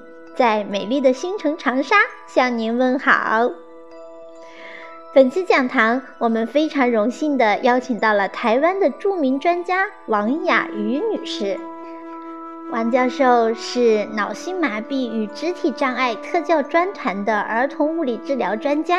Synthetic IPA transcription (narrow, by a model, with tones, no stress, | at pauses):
t͡sa˥˩ɪme˨˩ɪli˥˩d̪ə˩ɕi˥ŋʈ͡ʂʰɤ˧˥ŋʈ͡ʂʰɑ˧˥ŋʂa˥ | ɕjɑ˥˩ŋni˧˥nwə˥˩nxɑ̰˨˩ʊ | fə˨˩nt͡ɕʰi˥t͡ɕjɑ˨˩ŋt̪ʰɑ˧˥ŋwɔ˨˩mə˦nfe˥ɪʈ͡ʂʰɑ˧˥ŋɻʊ˧˥ŋɕi˥˩nd̪ə˩jɑ˥ʊt͡ɕʰi˨˩ŋt̪ɑ˥˩ʊlə˩t̪ʰa˧˥ɪwa˥nd̪ə˨ʈ͡ʂu˥˩mi˧˥ŋʈ͡ʂwa˥nt͡ɕja˥wɑ˧˥ŋja̰˨˩y˧˥ny˨˩ʂɻ̩˥˩ | wɑ˧˥ŋt͡ɕjɑ˥˧ʊʂo˥˧ʊʂɻ̩˥˩nɑ˨˩ʊɕi˥ŋma˨˧˩pi˥˩y˨˩ʈ͡ʂɻ̩˧˥t̪ʰi˨˩ʈ͡ʂɑ˥˧ŋa˥˩ɪt̪ʰɤ˥˧t͡ɕjɑ˥˧ʊʈ͡ʂwa˥nt̪ʰa˧˥nd̪ə˧ʔə˞˧˥t̪ʰʊ˧˥ŋu˥˩li˨˩ʈ͡ʂɻ̩˥˩ljɑ˧˥ʊʈ͡ʂwa˥nt͡ɕja˥